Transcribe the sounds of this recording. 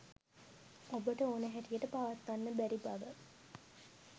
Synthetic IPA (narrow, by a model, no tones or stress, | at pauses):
obəʈəoːnəɦæʈijəʈəpaʋat̪ːanːəbæɾiba̰ʋə